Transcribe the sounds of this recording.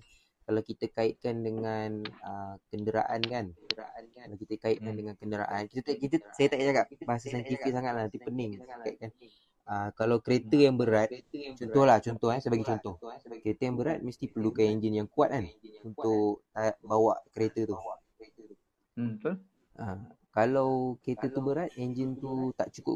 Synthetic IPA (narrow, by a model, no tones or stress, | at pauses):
kalawkit̪əkaɪt̪̚kandəŋanəkəndəɾa̰ʔankan | kalawkit̪əkaɪt̪̚kandəŋankəndəɾa̰ʔankit̪ət̪kit̪əsajət̪aʔaʔd͡ʒaɡaʔ̚baɦas̬asant̪ifik̚saŋat̪̚lanant̪ipənɪŋkaiʔ̪̚kan | əkalawkəɾet̪əjaŋbəɾat̪̚t͡ʃɔnt̪ɔhlaht͡ʃɔnt̪ɔhɦansəbaɡajt͡ʃɔnt̪ɔhkəɾet̪əjaŋbəɾat̪̚məst̪ipərlukanɛɲd͡ʒənjaŋkuat̪̚anunt̪ʊʔt̪aʔbawaʔkəɾet̪ət̪u | t̪u | ʔə | kalawkəɾet̪ət̪ubəɾat̪̚ɛɲd͡ʒənt̪ut̪aʔt͡ʃukʊ̰